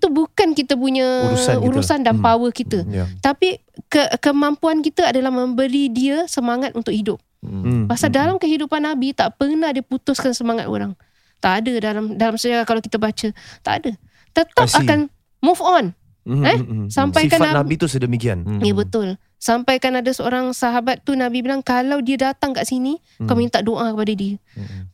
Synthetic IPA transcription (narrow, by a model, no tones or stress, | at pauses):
it̪ubukankit̪əp̬uɲəsuɾusandanpawəkit̪ət̪api | kəkəmampuankit̪əadalahmə̃mbəɾidiəsəmaŋat̪unt̪ʊk̚hidʊp̚pasaldalamkəɦidupanːabit̪aʔpənadiəput̪ʊskansəmaŋat̪o̰ɾaŋ | t̪aʔadədalamdalamsəd͡ʒaɾakalawkit̪abat͡ʃət̪a̰ʔa̰da | t̪ət̪aakan | mufɔn | ɛsampajkananait̪usədəmikia̰njabət̪ʊl | sampajkanadasəoɾaŋsaɦabat̪ːunabibilaŋkalawdiədat̪aŋkaʔsini | kamĩnt̪aʔdoʔakəpadadiə